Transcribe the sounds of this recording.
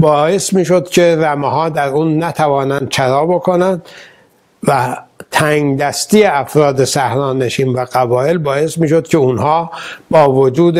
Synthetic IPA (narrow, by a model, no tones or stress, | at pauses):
bɒːe̞smiːʃo̞d̪cʰe̞ɾæmehɒːd̪æɾuːnːæt̪ʰævɒːnænd̪̥̚t͡ʃʰæɾɒːbokʰonænd̪ | væt̪ʰæŋd̪æst̪iːjeæfɾɒːd̪esæhɾɒːneʃiːnvæɡæbɒːelbɒːje̞smiːʃod̪cʲʰeunhɒːbɒːvod͡ʒuːd̪